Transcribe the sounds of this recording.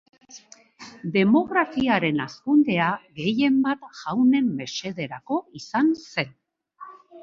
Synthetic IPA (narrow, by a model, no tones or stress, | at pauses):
d̪e̞mo̞ɣɾafiaɾe̞naskund̪e̞aɣe̞je̞mbat̪ʝawne̞mːe̞se̞ðe̞ɾako̞isanse̞n